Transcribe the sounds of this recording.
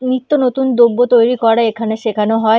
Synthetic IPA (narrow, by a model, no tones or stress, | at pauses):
nit̪ːonot̪und̪obːot̪ojɾikɔɾaekʰaneʃekʰanoɦɔ